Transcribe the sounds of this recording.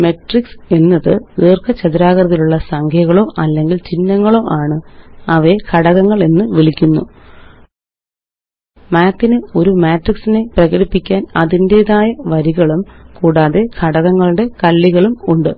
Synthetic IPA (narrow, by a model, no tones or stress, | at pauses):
me̞ʈrikse̞nːɐðɨeːrkɐt͡ɕɐðiɾaːɣɐrɐðiluɭːɐsɐŋkʰjɐɣɐɭo̞ːʔɐlːe̞ŋɡilt͡ɕinːɐŋːɐɭo̞ːʔaːɳɨɐʋekʰɐɽɐɣɐŋːɐɭe̞nːɨʋiɭikʲːunːṵ | maːt̪ːinɨo̞ɾumaːʈriksine̞prɐɣɐɽipːikʲːaːnɐðinde̞ːðaːjɐʋɐɾiɣɐɭumkuːɽaːðe̞kʰɐɽɐɣɐŋːɐɭuɽe̞kɐlːiɣɐɭumuɳɖɨ